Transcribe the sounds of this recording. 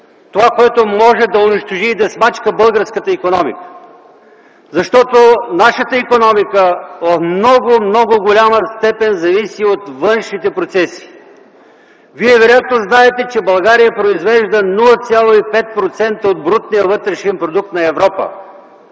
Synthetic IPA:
t̪ovakoɛt̪omɔʒɛd̪ɐʊniʃt̪oʒiːd̪ɐsmat͡ʃkəbɤlˠɡəɾskət̪əikonɔmḭkə̥ | zɐʃt̪ɔt̪onaʃət̪əikonɔmikəot̪mnɔɡomnɔɡʊɡolʲaməst̪ɛpɛnzɐvisiot̪vɤnʃnit̪ɛpɾot̪sɛsi̥ | viɛvɛɾojat̪noznaɛt̪ɛt͡ʃɛbɐlˠɡaɾijəpɾoizvɛʒd̪ənulˠət̪sʲjalˠoipɛt̪̚pɾot̪sɛnt̪əod̪̚bɾut̪̚nijəvɤt̪ɾɛʃɛnpɾod̪uk̚t̪nɐɛvɾɔpə̰

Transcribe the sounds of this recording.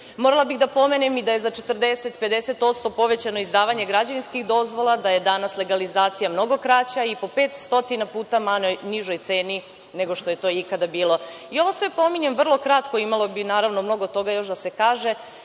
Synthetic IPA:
moɾalˠabixd̪apo̞menemid̪aje̞zat͡ʃe̞t̪r̩d̪e̞set̪pe̞d̪e̞set̪o̞t̪st̪o̞po̞ʋe̞t͡ɕano̞izd̪aːʋaɲeɡɾad͡ʑeʋinskixd̪o̞zʋo̞lˠad̪aje̞d̪anasle̞ɡalizaːt̪sijamno̞ɡo̞kɾat͡ɕaipo̞pe̞ːt̪st̪o̞t̪inapuːt̪amaojniʒo̞jt̪se̞ːni | ne̞ɡo̞ʃt̪o̞je̞t̪o̞ikad̪abiːlˠo̞ | io̞ʋo̞sʋe̞po̞miɲe̞mʋr̩lˠo̞kɾat̪ko̞imalˠo̞binaːɾaʋno̞mno̞ɡo̞t̪o̞ɡajo̞ʃd̪ase̞kaːʒe̞

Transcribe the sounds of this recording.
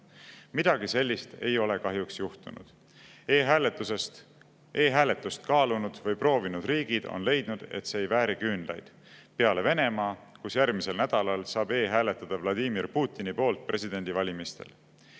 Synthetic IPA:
mid̪̥ɑɡ̥ise̞lʲːist̪e̞jo̞le̞kɑɦjuksjuht̪unṵd̪̥ | eːɦælet̪ːˑusest̪ | ʔe̞ːɦæːle̞t̪ːˑust̪kɑːlunud̪̥vɤjpro̞ːvinud̪̥riːɡid̪̥o̞̰nle̞jd̪̥nud̪̥e̞̰t̪seejvæːɾikynd̪lɑ̰jd̪̥ | peɑle̞ve̞ne̞mɑːkusjærmise̞lnæd̪̥ɑlɑlsɑːbe̞ːɦæːle̞t̪ːˑɑd̪̥ɑvlɑd̪imirpuːt̪ːinipo̞ːlt̪̚pre̞sid̪̥e̞nʲd̪̥ivɑlʲimist̪e̞̰l

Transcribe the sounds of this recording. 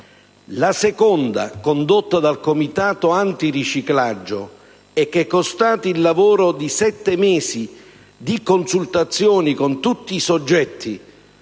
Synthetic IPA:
lasɛkɔnd̪a̰kond̪ot̪ːad̪alkomit̪aːt̪oant̪irit͡ʃiklad͡ʒːo | ɛk̟ːɛkːost̪aːt̪iːlːavoːɾod̪isɛt̪ːemɛːsi | d̪ikonsult̪at̪sːjoːnikont̪ut̪ːiːsod͡ʒːɛt̪ʰːi

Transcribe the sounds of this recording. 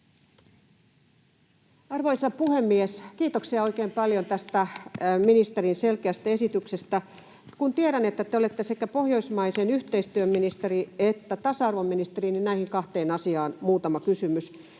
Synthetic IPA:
ɑrʋoisɑpuhemːieskiːt̪oksiɑo̞ikeːmpɑljont̪æst̪æminist̪eɾinselkeæst̪æe̞sit̪yksest̪æ | kunt̪ieɾænet̪ːæt̪eolet̪ːesekæpo̞hjo̞ismɑisenyht̪eist̪yømminist̪eriet̪ːæt̪ɑsɑɑrʋomːinist̪erininnæihiŋkɑht̪eːnɑsiɑːnmuːt̪ɑmɑkysymys

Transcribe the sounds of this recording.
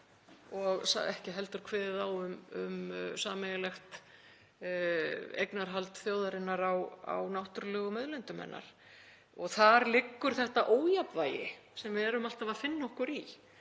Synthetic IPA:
ɔɣsa̰ɛhcɪɦɛl̪t̪ʏɾ̥kʰvɛːðɪðawʏmʏ̰msaːmɛjlɛxt̪ | ḛjknaɾ̥ɦalt̪θjoːwðaɾɪnːaɾawa̰wnawht̪ʏɾlœːɣʏmœðlɛnt̪ʏmɛ̰nːa̰ɾ̥ | ɔɣθaɾlɪkːʏɾ̥θɛht̪aʔoːwjapvaːjɪ̰ | sɛmvɪðɛɾʏmal̥t̪avafɪnːɔhkʏɾi

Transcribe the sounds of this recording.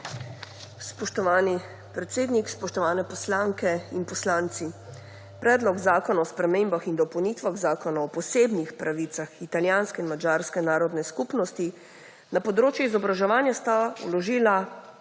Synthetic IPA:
spɔʃt̪ɔʋaːni | pɾɛt̪seːd̪nikspɔʃt̪ɔʋaːnɛpɔslaŋkɛinpɔslaːnt̪si | pɾɛːd̪lɔɡzaːkɔnaɔspɾɛmeːmbaxind̪ɔpɔwnit̪ʋaɣzaːkɔnaɔpɔsebnixpɾaʋit̪saxit̪aljaːnskɛinmad͡ʒaːɾskɛnaːɾɔd̪nɛskupnɔst̪i | napɔd̪ɾoːt͡ʃjɛizɔbɾaʒɛʋaːnjast̪aulɔʒiːla

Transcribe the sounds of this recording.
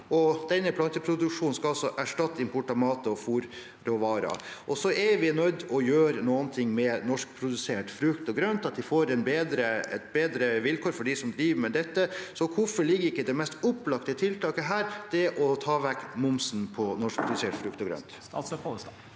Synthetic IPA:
ʔɔd̪̥ɛnːəpʰlɑnt̪əpʰɾʊd̪ʉkʂuːn̩skɑɑlsɔʔæʂʈɑt̪ːɪmpʊʈɑmɑːt̪əɔfuːɾ | ɾɔʋɑːɾɑ̰ʔɔsɔʔɛʋɪnœd̪ɔjøːɾənuːənt̪ʰɪŋːmɛnɔʂk̚pʰɾʊd̪ʉseːʈfɾʉkt̪ɔɡɾœnt̪ɑt̪̚d̪ɪfoːɾɛnbeːd̪ɾəɛt̪̚beːd̪ɾəʋɪlkʰɔːɾfɔɖɪsɔmd̪ɾiːʋmɛd̪ɛt̪ːəsɔkʰʊfɔɭɪɡːəɾɪkːəd̪ɛmɛst̪ɔpːlɑkt̪ət̪ʰɪlt̪ɑːkəɦæːɾd̪̥ɛʔɔt̪ʰɑːʋækːmʊmsnpʰɔnɔʂk̚pʰɾʊd̪ʉseːʈfɾʉk̚t̪ɔɡɾœ̰nt̪

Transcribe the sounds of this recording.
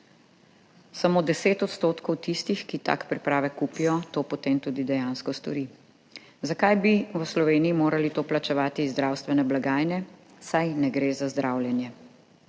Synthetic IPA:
samoːd̪ɛseːt̪ɔt̪st̪oːt̪kɔwt̪ist̪ixkit̪a̰kpɾipɾaːʋɛkuːpijɔt̪oːpɔt̪emt̪uːd̪id̪ɛjanskɔst̪ɔ̰ɾi | zakajbiʋəslɔʋeːnijimoːɾalit̪oːplat͡ʃɛʋaːt̪izd̪ɾawst̪ʋɛnɛblaɡaːjnɛ | sajnɛɡɾeːzazd̪ɾʔawljɛnjɛ

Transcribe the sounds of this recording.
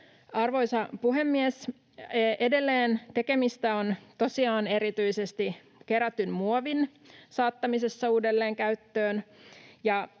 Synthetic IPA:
ɑrʋo̞isɑpuɦemːies | ʔede̞lːeːnt̪e̞kemist̪æont̪o̞siɑːne̞ɾit̪yisest̪i | keɾæt̪ːynmuoʋin | sɑːt̪ːɑmisesːɑuːdelːeːŋkæyt̪ːøːnjɑ

